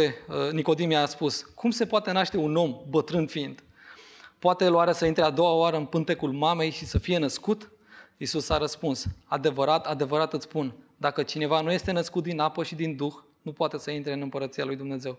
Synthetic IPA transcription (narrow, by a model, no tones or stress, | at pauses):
eniko̞d̪imiaspuskumse̞poat̪e̞naʃt̪e̞uno̞mbət̪ɾɨnd̪fiind̪̥ | poat̪e̞loaɾasəint̪ɾe̞ad̪o̞waoaɾəɨnpɨnt̪e̞kulmame̞jʃisəfije̞nəskut̪ | isusaɾəspunsad̪e̞vəɾat̪ad̪e̞vəɾat̪ɨt̪spund̪akət͡ʃine̞vanuje̞st̪e̞nəskut̪̚d̪inapəʃid̪ind̪ux | nupoat̪e̞səint̪ɾeɨnɨmpəɾət̪sialujd̪umne̞ze̞w